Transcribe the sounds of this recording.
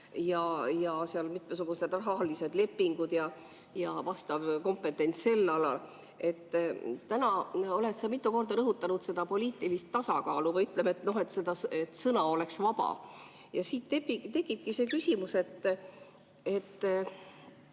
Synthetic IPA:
jɑjɑseɑlmit̪mesuɡ̥use̞d̪rɑɦɑlise̞d̪̥le̞pːiŋɡ̥ud̪̥jɑ | jɑvɑst̪ɑvko̞mpːˑe̞t̪ːˑe̞nʲsse̞lːɑlɑ̰l | e̞t̪ːt̪ːænɑo̞le̞t̪sɑmit̪ːˑuko̞rd̪ɑɾɤɦut̪ːˑɑnud̪se̞d̪̥ɑpo̞lʲiːt̪ːˑilist̪ːɑsɑkɑːluvɤjyt̪ˑlemet̪no̞ɦe̞t̪ːse̞d̪ɑset̪sɤnɑo̞le̞ksvɑb̥ɑ̰ | jɑsiːt̪t̪epːit̪e̞ɡib̥̚kise̞ːkysimuse̞t̪ː | e̞t̪ː

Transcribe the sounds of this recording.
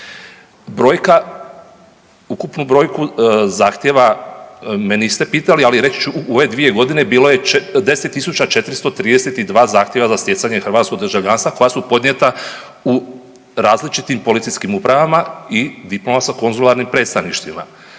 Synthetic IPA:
bɾo̞ːjka | ukupnubɾo̞ːjkuzaːxt̪je̞ʋa | menist̪e̞piːt̪alialiɾet͡ɕt͡ʃuuo̞ʋe̞d̪ʋije̞ɡo̞d̪ine̞biːlo̞jed̪e̞set̪ːisut͡ɕat͡ʃe̞t̪ɾist̪o̞t̪ɾiːd̪eset̪id̪ʋaːzaːxt̪je̞ʋazast̪je̞t̪saɲe̞xrʋaːt̪skoɡd̪ərʒaʋʎanst̪ako̞jasupo̞d̪ɲe̞t̪a | u | ɾaːzlit͡ʃit̪impo̞lit̪sijskimupɾaʋamaid̪iplo̞masako̞nzulˠaɾnimpɾe̞ːt̪st̪aʋniʃt̪ʋima̰

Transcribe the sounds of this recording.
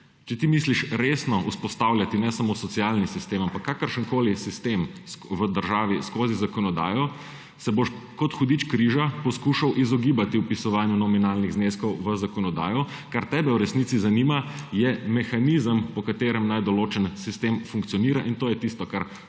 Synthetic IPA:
t͡ʃɛt̪imisliʃɾesnɔuspɔst̪awljat̪inɛsamoːsɔtsialnisist̪eːmampakːakəɾʃəŋkoːlisist̪emsʋəd̪əɾʒaːʋiskoːzizakɔnɔd̪a̰ːjɔ | sɛboʃkɔt̪xɔd̪it͡ʃkɾiʒapɔskuʃawʔizɔɡibat̪iwpisɔʋaːnjunɔminalniɣzneskɔwʋəzakɔnɔd̪a̰ːjɔ | kaɾt̪ɛbɛwɾɛsnit̪sizanimajɛmɛxanizəmpɔkat̪eːɾɛmnajd̪ɔloːt͡ʃənsist̪emfuŋkt̪sijɔniːɾaʔint̪oːjɛt̪ist̪ɔkaɾ

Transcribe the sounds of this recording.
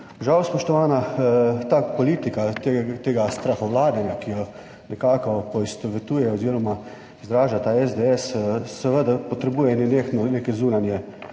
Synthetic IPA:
ʒawspɔʃt̪ɔʋaːnat̪apɔliːt̪ikat̪t̪eːɡast̪ɾaxɔʋlaːd̪nanjakijɔ | nɛkaːkɔpɔist̪ɔʋɛt̪uːjɛɔziːɾɔma | zd̪ɾaːʒat̪aːɛzd̪eɛssɛʋəd̪apɔt̪ɾɛbuːjɛnnexnɔnekɛzuːnanjɛ

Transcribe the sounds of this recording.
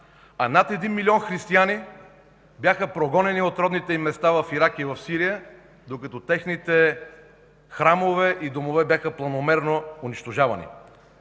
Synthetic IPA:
ɐnat̪ɛd̪inmiliɔnxɾist̪iani | bʲjaxəpɾoɡɔnɛniot̪ɾɔd̪nit̪ɛimɛst̪avɐfiɾakivɐfsiɾijə | d̪okɐt̪ɔt̪ɛxnit̪ɛ | xɾamovɛʔid̪omovɛbjaxəplˠɐnomɛɾnoʊnit͡ʃt̪oʒavɐ̰nḭ

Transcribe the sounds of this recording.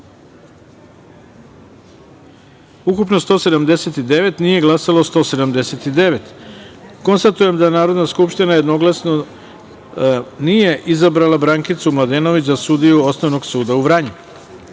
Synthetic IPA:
ukupnost̪o̞ːse̞d̪amd̪e̞set̪id̪e̞ʋe̞t̪nije̞ɡlˠasalaost̪o̞se̞d̪amd̪e̞set̪id̪e̞ʋe̞t̪ | ko̞nst̪at̪uje̞md̪anaːɾo̞d̪naskupʃt̪inajed̪no̞ɡlˠasno̞ | nije̞ʔizabɾalabɾaŋkit̪sumlˠad̪eːno̞ʋit͡ɕzasud̪ijuo̞snoʋno̞ɡsuːd̪auʋɾaɲu

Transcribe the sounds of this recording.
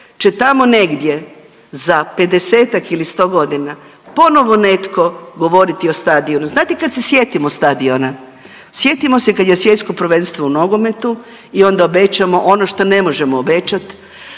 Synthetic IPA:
t͡ʃet̪amo̞ne̞ɡd̪je̞ | zape̞d̪eseːt̪akilist̪o̞ːɡo̞d̪inapo̞no̞ʋo̞ne̞t̪ko̞ɡo̞ʋo̞ɾit̪iost̪ad̪io̞nuznaːt̪ikad̪se̞sje̞t̪imost̪ad̪iona | sje̞t̪imo̞se̞kad̪jesʋje̞t̪sko̞pɾʋe̞nst̪ʋouno̞ɡo̞me̞t̪u | io̞nd̪aobet͡ʃamo̞ʔono̞ʃt̪o̞ne̞mo̞ʒemoːbet͡ɕat̪

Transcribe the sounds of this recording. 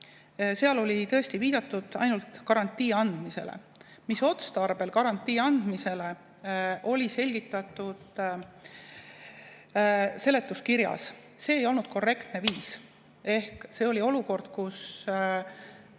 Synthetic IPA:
se̞ɑlo̞lʲit̪ɤ̞est̪iviːd̪̥ɑt̪ːˑud̪̥ɑ̰jnult̪kɑɾɑnt̪ːˑiːɑnd̪̥mise̞̰lḛ | miso̞t̪st̪ɑrb̥e̞lkɑɾɑnʲt̪ˑːiːɑnd̪̥mise̞le̞ | ʔo̞lʲise̞lʲɡ̥it̪ːˑɑt̪ːˑud̪̥ | se̞le̞t̪ːˑuskiɾjɑ̰s | se̞ːjo̞lnud̪̥̚ko̞re̞kt̪ne̞viːs | e̞hkse̞o̞lʲio̞luko̞rd̪̥kus

